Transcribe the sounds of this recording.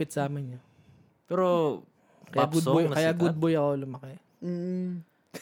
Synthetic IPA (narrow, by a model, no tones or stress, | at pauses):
pɪt̪samɐɲɲɐ | pɛɾo | kɐjaɡʊd̪bojkɐjaɡʊd̪̚bojɐkolʊmɐkɛː